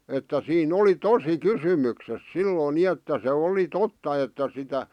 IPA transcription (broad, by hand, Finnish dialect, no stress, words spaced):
etːæ siːn oli tosi kysymykses silːoĭn ni etːæ se oli totːɑ etːæ sitæ